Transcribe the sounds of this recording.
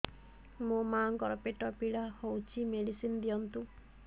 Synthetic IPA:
mũmaŋkɔɾɔpeʈɔpiɽahowt͡ʃʰimeɽisinɔd̪ijɔnt̪u

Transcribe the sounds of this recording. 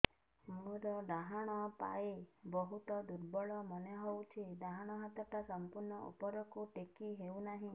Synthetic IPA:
muɾɔd̪aɦaɽ̃ɔpa̰ebɔɦut̪ɔd̪uɾbɔɭɔmɔneɦowt͡ʃʰid̪aɦaɽ̃ɔɦat̪ɔʈasɔmpuɾɳɔʔṵpɔɾɔkuʈekiɦewnaɦĩ

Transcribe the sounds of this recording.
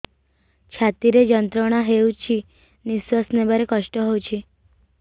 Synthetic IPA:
t͡ʃʰat̪iɾed͡ʒənt̪ɾəɽ̃aɦewt͡ʃʰi | niswəsnebʱəɾekəʃʈəɦowt͡ʃʰi

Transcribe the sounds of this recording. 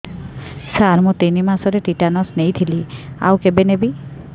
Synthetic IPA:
saɾmũt̪inimasɔɾeʈiʈanɔsnejt̪ʰilia̰wkebenebi

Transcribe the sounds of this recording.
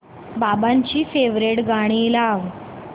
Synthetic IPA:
babaɲt͡ɕiːfeʋɾeʈɡaɽ̃ilaʋ

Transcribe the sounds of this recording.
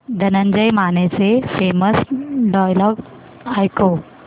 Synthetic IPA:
d̪ʱənənd͡ʑəjmanet͡sefeməsɖɔjlɔːɡ | ajko

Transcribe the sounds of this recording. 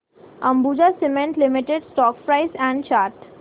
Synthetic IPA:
ə̃mbuːd͡ʒasɪmẽɳʈlɪmɪʈeɖsʈɔːk̚pɾaɪsɛ̃ɳɖt͡ʃaːɾʈ

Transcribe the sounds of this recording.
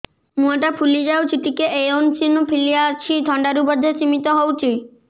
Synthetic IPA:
muaʈapʰulid͡ʒawt͡ʃiʈikeʔejont͡ʃinupʰiliat͡ʃʰid̪ʱɔɳɖaɾubɔd̪ʱːet͡ɕimit̪ɔɦowt͡ʃʰi

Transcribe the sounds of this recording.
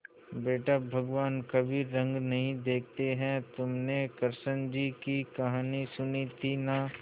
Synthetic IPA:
beːʈabʱɐɡʋaːnkɐbʱiɾɐ̃ŋɡnɐɦĩd̪eːk̚ʰt̪eɦɛ̃t̪ʊmnekɐɾsənd͡ʒikikɐɦaːnisʊnit̪ʰina

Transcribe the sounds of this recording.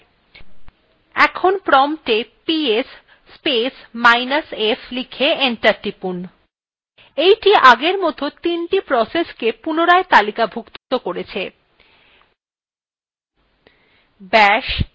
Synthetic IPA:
ɛ̰kʰonpɾɔmʈepies | spesmajnasefʰlikʰeeɳʈaɾʈipun | ejʈiʔaɡeɾmot̪ʰot̪inʈipɾɔseskepunoɾaet̪alikabʱukt̪t̪okoɾet͡ɕʰe | bɛʃ

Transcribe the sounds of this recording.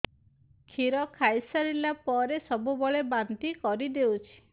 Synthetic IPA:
kʰiɾɔkʰajsaɾilapɔɾesɔbubɔɭebant̪ikɔɾid̪ewt͡ʃʰi̥

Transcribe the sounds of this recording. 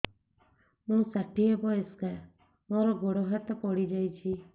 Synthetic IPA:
mũsaʈiebɔeska | mɔɾɔɡoɽɔɦat̪ɔpɔɽid͡ʒajt͡ʃʰi

